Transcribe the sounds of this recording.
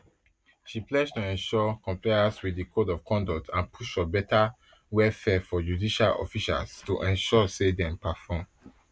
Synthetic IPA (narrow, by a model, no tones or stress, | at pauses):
ʃiplɛstuɛ̃nʃɔkɔ̃mplaɪaswidikʰodɔv̥kʰɔ̃ndɔk̚tʰãnpʰuʃɔbɛta | wɛlfɛfɔjudiʃalɔ̰fiʃa̰lstuʔɛ̃nʃɔsedɛ̃mpafɔ̃m